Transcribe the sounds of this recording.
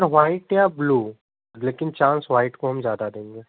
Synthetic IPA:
ɾʋaːɪʈjabluː | leːkɪnt͡ʃãːnsʋaːɪʈkoɦɐ̃mzjaːd̪ad̪ẽːŋɡeː

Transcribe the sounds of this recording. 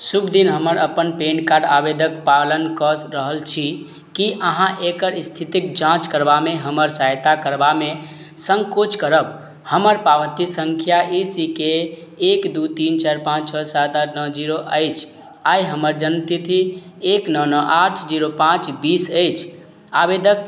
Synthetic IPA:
subd̪inɦəməɾəpənpeɳkaɖabed̪ʱəkpalənkəɾəɦəlt͡ʃʰi | kiʔəɦãʔekəɾist̪ʰit̪ikd͡ʒãt͡ʃkəɾbameɦəməɾsajt̪akəɾbame | səŋkot͡ʃkəɾəb | həməɾpaʋət̪isəŋkʰjaʔisikeː | kd̪ut̪int͡ʃaɾpãt͡ʃt͡ʃʰɔsad̪anɔd͡ʒiɾoʔəjt͡ʃʰ | ajɦəməɾd͡ʒənt̪it̪ʰi | eknɔnɔʔaʈʰd͡ʒiɾopãt͡ʃbisəjt͡ʃʰ | abed̪ək̚

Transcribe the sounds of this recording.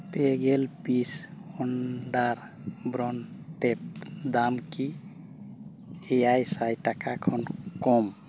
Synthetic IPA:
peɡelpisɔnɖaɾ | bɾɔnʈɛp̚d̪amki | eajsajʈakakʰɔnkɔm

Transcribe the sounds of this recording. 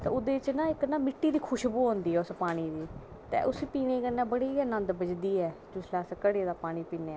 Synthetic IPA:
t̪ɛ̰ːʊd̪eːt͡ʃnãːɪknaːmɪʈːiːd̪iːkʰʊʃbuːɦõːnd̪iːɛːʊspaːɽ̃iːd̪iː | t̪ɛ̰ːʔʊspiːneːkənːãːbəɽiːnə̃nd̪bəd͡ʒd̪iːɛːd͡ʒʊslaːskəɽeːd̪aːpaːɽ̃iːpiːneː

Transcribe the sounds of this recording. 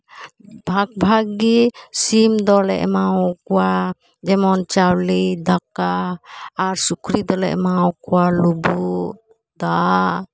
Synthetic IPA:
bʱak̚bʱaɡisimd̪ɔlɛ̰ʔmaɔkɔwa | d͡ʒɛmɔnt͡ʃawlid̪akaː | ɾsukɾid̪ɔlɛ̰ʔmawkɔwalubu | d̪a

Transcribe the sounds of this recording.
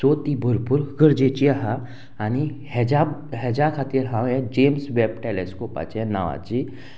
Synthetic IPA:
soːt̪ibʱʊɾpuɾɡəɾd͡ʒet͡ʃiaɦa | anihd͡ʒaɦed͡ʒakʰat̪iɾɦãẽd͡ʒeːmsʋep̚ʈeleskoːpa̰t͡ʃenaʋa̰ːd͡ʒi

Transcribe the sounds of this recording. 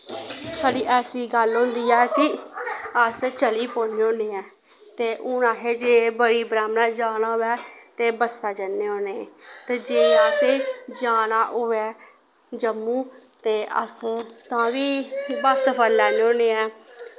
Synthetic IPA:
saːɽiːʔɛːsiːɡəlɦʊ̃nd̪iːɛːkɪ | əst͡ʃəliːpoːneõːneːɛː | t̪eːʔʊnãːɦeːd͡ʒeːbəɽiːbɾaːmnaːd͡ʒaːnaːʊʋɛːt̪eːbəsaːd͡ʒənːeːõːneːɛt̪eːd͡ʒeːaːsed͡ʒaːnaːʔʊɛː | d͡ʒəmːũːt̪eːə̰st̪ãːʋiːbəspʰəlːɛːneːõːneːɛː

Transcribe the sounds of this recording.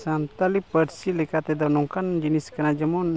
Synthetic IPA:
sant̪alipəɾsilikat̪ed̪anuŋkand͡ʒəniskənad͡ʒəmun

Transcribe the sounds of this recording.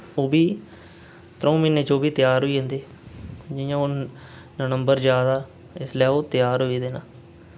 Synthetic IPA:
oːbiː | t̪ɾə̃ːmiːneːt͡ʃoːbiːt̪ɪjaːɾɦoːiːɦə̃ːnd̪eː | d͡ʒɪjãːoː | nənəmbəɾd͡ʒjaːd̪aː | ɪslɛːoːt̪ɪjaːɾɦoːiːd̪eːnaː

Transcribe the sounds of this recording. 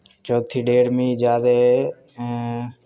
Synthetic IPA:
t͡ʃoːt̪ʰiːɖeːɽmĩːd͡ʒaːd̪ẽ

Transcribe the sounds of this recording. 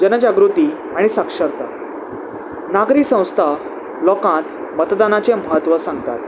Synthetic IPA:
d͡ʑənəd͡ʑaɡɾut̪iː | aɽ̃isakʂəɾt̪a | naɡɾiːsə̃w̃st̪ʰa | lɔkãt̪ | mət̪d̪anat͡seməɦət̪ʋəsãŋɡt̪at̪

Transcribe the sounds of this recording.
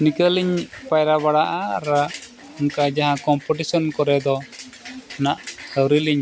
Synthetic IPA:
nikaliɲpajɾabaɽaʔaɾa | ɔŋkad͡ʒaɦãkɔmpɔʈisɔnkɔɾɛd̪ɔ | naʔsəwɾiliɲ

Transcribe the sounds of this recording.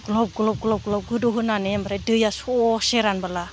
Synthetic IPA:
ɡlɔp̚ɡɯlɔp̚ɡlɔp̚ɡlɔp̚ɡɯdɔɦɯnanemɾajdɯjasɔseɾanbala

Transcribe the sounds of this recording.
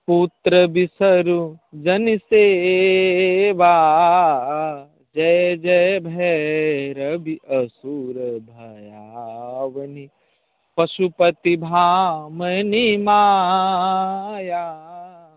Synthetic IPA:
put̪ɾɐbisɐɾud͡ʒɐnise | ʋaː | d͡ʒɛd͡ʒɛbʱɛɾɐbiʔɐsuːɾɐbʱɐja | ʋɐni | pɐʃupɐt̪ibʱaːmɐnimaː | jaː

